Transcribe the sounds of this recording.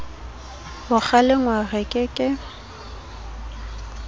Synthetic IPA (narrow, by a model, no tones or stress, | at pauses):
bʊk͡xʰalɪŋwaɣɪkʼɪkʼɪ